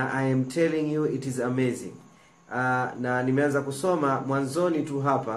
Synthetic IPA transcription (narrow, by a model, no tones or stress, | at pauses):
ʔajɛmtʰɛlĩŋjuitizamezḭ̃ŋ | ananimɛanzakusɔmamwanzɔnituɦapa